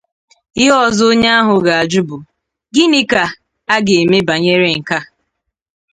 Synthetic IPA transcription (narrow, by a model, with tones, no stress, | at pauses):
ɪ˦ɔ˦˨zʊ˦ɲa˦a˦ɦʊ˨ɡa˨a˨d͡ʒu˦bʊ˨ | ɡɪ˦ni˦ka˨ | a˦ɡe˨e˨me˦ba˨ɲe˦ɾe˦ŋ̩˨ka˦